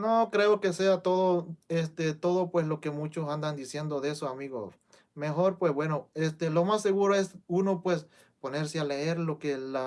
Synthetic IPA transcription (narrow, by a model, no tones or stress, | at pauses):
nokɾe̞oke̞seat̪o̞ðoest̪et̪o̞ðo̞pwe̞slo̞ke̞mut͡ʃosand̪and̪isje̞nd̪o̞ðe̞soamiɣo̰ | me̞xo̞ɾpwesbwe̞no̞est̪elo̞masːe̞ɣuɾoe̞suno̞pwes | po̞ne̞ɾseale̞eɾlo̞kela